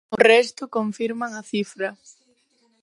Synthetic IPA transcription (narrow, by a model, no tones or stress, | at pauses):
ʊrɛst̪ʊkoɱfiɾmaŋɐθifɾɐ